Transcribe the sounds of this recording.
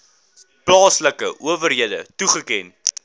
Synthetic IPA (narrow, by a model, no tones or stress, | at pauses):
plɑːsləkəʔuəvərɦiədətuχəkɛn